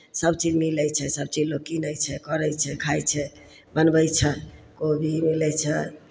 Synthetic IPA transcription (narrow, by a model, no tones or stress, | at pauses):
səbt͡ʃid͡ʒmiləjt͡ʃʰɛsəb̚t͡ʃid͡ʒloɡkinəjt͡ʃʰɛkəɾəjt͡ʃʰɛkʰajt͡ʃʰɛ | bənbəjt͡ʃʰɛkobʱimilɛt͡ʃʰɛ